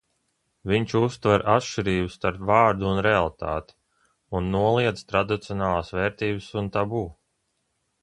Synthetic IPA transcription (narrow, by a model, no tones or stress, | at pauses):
viɲt͡ʃust̪vaɾʔatʃt͡ʃiɾiːbust̪aɾpvaːɾd̪uːnɾealˠit̪a̰ːt̪i̥ | unːuɔlˠiɛd̪z̥t̪ɾad̪it̪siɔnaːlˠaːsvɛːɾt̪iːbəsunt̪abuː